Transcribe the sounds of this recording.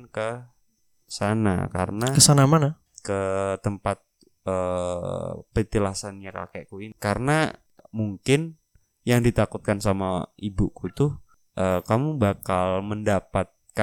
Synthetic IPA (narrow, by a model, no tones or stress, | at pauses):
kə | sana̰ka̰rənakəsanamana | kət̪əmpat̪̚ | ə | pəit̪ilasanɲaka̰keʔkuikaɾəna | muŋkɪn | jaŋdit̪akut̪̚kansamaibukut̪ʊ | ʔəkamubakalməndapat̪̚ka